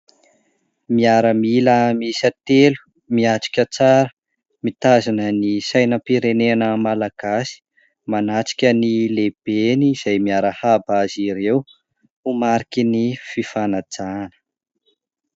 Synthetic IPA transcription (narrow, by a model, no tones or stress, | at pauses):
miaɾəmiləmisət̪elu̥ | miaʈ͡ʂi̥kʲət͡saɾə | mit̪azanənisajnəpiɾenenəmalaɡ̥asi̥ | manaʈ͡ʂi̥kʲənileb̥eniːz̥ajmiaɾəhabaziɾew | umaɾikʲinififanad͡zanə̥